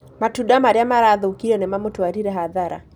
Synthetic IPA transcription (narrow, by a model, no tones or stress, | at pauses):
matuɗamaɾjamaɾaðɔukiɾɛnɛmamutuaɾiɾɛɦaðaɾa̰